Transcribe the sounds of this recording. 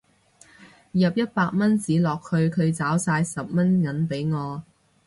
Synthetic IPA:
jɐ˨p̚jɐ˥t̚paː˧k̚mɐ˥nt͡siː˨˥lɔː˨k̚hɵ˨˧ɥkʰɵ˨˧ɥt͡saː˨˥wsaː˧jsɐ˨p̚mɐ˥nŋɐ˨˥npe˨˥jŋɔː˨˧

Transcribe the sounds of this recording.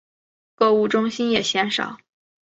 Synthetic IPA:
kɤ˥˧u˥˩ʈ͡ʂʊ˥ŋɕi˥njɛ˨˩ɕjɛ˧˥nʂɑ̰˨˩˦ʊ

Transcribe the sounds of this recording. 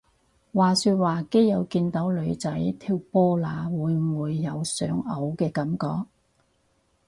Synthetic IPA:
waː˨˩syː˧t̚waː˨˩ke˥jːɐ˨˧wkiː˧nt̪ɐ˨˥wlɵ˨˧ɥt͡sɐ˨˥jt̪ʰiː˧wpɔː˥laː˨˧wuː˨˧jmuː˨˧jːɐ˨˧wsœː˨˥ŋɐ˨˥wkɛː˧kɐ˨˥mkɔ̰ː˧k̚

